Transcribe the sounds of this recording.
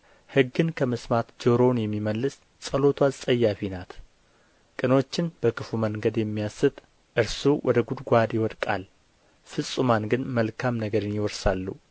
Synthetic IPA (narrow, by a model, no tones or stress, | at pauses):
hɨɡːɨnkʰəmɨsmat̪d͡ʒoɾo̞njɛmːiməlːɨs | sʼəlo̞t̪ʰwazsʼəjːafinat̪ | kʼɨno̞t͡ʃːɪnb̥əkɨfuməŋɡəd̪jɛmːijasːɨt̪ʼ | ʔɨɾsuwʔɔd̪əɡud̪ɡʷad̪jɪwɔd̪kʼa̰l | fɨsʼumanɡɨnməlkʰamnəɡəɾɨnjɪwɔɾsalːu